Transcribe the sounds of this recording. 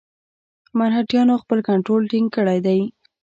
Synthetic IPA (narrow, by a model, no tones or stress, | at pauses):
manhaʈjɑnoxpəlkaɳʈɾolʈiŋɡ̚kəɽajd̪aj